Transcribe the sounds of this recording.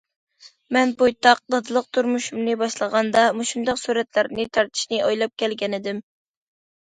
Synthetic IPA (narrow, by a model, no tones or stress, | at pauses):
mɛnbojt̪ɑq̚d̪ɑd̪ɨlˠəq̚t̪ʰuɾmuʃumnɨbɑʃlˠəʁɑnd̪ɑmuʃund̪ɑqsuɾɛt̪læɾnɪt̪ʰɑɾt̪ʰɨ̥ʃnɨʔɑjlˠɑp̚kʲʰɛlɡʲɛnɪd̪ɪm